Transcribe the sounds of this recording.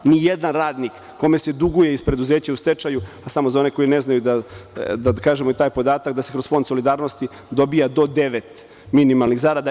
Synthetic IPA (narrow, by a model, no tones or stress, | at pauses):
nijed̪anɾaːd̪nikːo̞me̞se̞d̪uɡujeispɾe̞d̪uzeːt͡ɕaust̪e̞t͡ʃajuasamozao̞neko̞jineznajud̪ad̪akaːʒemoit̪aːjpo̞d̪aːt̪akd̪ase̞kɾospo̞nd̪solid̪aːɾno̞st̪i | d̪o̞bijad̪o̞d̪e̞ʋet̪ | minimalˠniɣzaɾad̪a